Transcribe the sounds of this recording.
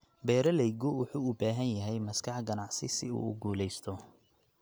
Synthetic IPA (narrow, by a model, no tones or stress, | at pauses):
bɛːɾɐlɛjɡʊwʊħuːʊbaːɦɐnjɐɦɛjmɐskʰɑħɡɐnɑʕsɪsɪṵːʊɡuːlɛjst̪ʰɔ